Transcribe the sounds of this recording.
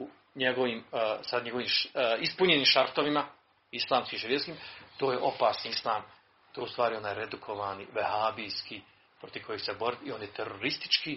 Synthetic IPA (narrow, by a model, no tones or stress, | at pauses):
u | ɲeɡo̞ʋiːmsad̪ɲe̞ɡo̞ʋiːmispuɲeniːmʃaɾt̪oʋima | islˠaːmskʲiʃjet̪skiːmt̪o̞ːje̞ʔo̞paːsnislˠaːm | t̪oːust̪ʋaːɾio̞naːjɾed̪ukʰo̞ʋaːniʋehaːbijskʰi | pɾo̞t̪i̥ko̞je̥sebo̞ɾit̪io̞njet̪eɾoɾist̪i̥t͡ʃki